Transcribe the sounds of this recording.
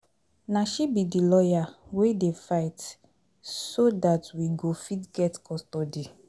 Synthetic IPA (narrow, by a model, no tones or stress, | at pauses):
naʃibidilɔjawedefaɪt | sodatwiɡofitɡɛtkɔstɔdi